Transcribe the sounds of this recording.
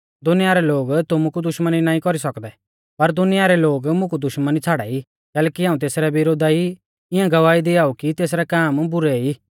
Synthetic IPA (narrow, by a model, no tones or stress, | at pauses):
d̪ʊnɪjaːɾɛloːɡt̪ʊmukud̪ʊʃməninaːĩkɔɾisɐkd̪ɛ | pɐɾd̪ʊnɪjaːɾɛloːɡmʊ̃kud̪ʊʃmənit͡sʰaːɽa̰i | kɛːlɛːkiɦãːũt̪eːsɾɛʋɪɾoːd̪ai | ɪjãɡɐʋaːid̪iaːukit̪eːs̬ɾɛkaːmbʊɾɛi